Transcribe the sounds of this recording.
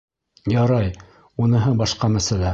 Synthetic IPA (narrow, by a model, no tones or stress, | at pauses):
jɑɾɑj | unɤ̆ɦɤbɑʃqɑmæsælæ